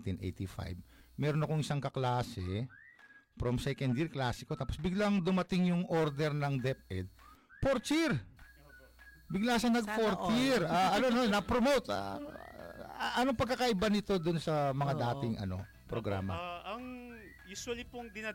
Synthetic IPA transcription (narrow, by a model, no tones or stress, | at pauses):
t̪inʔḛjt̪ifa̰jb̚mɛːɾonɐko̞ŋɪsaŋkɐklaːsɛ | pɾomsɛkɐnd̪jɪɹklaːsɪko̞t̪aːpo̞sbɪɡlaŋd̪ʊmɐt̪ɪŋjʊŋʔo̞ɾd̪ɛɾnɐŋd̪ɛp̚ʔɛd̪̚ | poɾt͡ʃɪɾ | bɪɡlaːʃɐnɐɡ̚foɾt̪jɪɾaʔɐnononɐpɾomowt̪a̰ | ʔɐnoŋpɐɡ̚kːakɐʔɪbanɪt̪o̞d̪ʊnsɐmɐŋad̪aːt̪ɪŋʔɐ̰no̞̰ | pɾoɡɾa̰ːmɐ̰ɐŋ | juswalipoŋd̪ɪna